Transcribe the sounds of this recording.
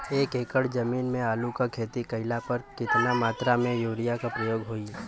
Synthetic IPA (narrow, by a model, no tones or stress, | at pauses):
eːkeːkəɽd͡ʒɐmiːnmẽaːlukakʰeːt̪ikɐɪlapɐɾkɪt̪namaːt̪ɾamẽjuːɽijakapɾəjoːɡɦoːi